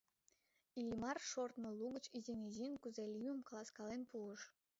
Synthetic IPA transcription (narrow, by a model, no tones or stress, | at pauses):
ilʲimɑrʃort̪mə̆lˠuɡə̆t͡ɕizeŋʲezʲinʲkuzelʲiəmkɑlˠɑskɑlenpuəʃ